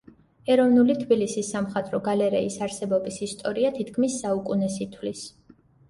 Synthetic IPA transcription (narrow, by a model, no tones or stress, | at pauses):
ɛɾɔvnulit̪ʰbilisisːamχat̪ʼɾɔɡalɛɾɛisaɾsɛbɔbisist̪ʼɔɾiat̪ʰit̪ʰkʰmisːaukʼunɛsit̪ʰwlis